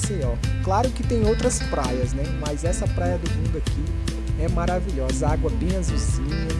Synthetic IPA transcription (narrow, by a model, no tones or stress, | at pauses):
sĩɔklaɾʊkɪt̪ẽj̃owt̪ɾɐspɾajɐznɛmɐzɛsɐpɾajɐd̪ʊmũnd̪ʊakʰi | ɛmaɾaviʎɔzɐaɡwɐbẽj̃ɐzuziĩɲɐ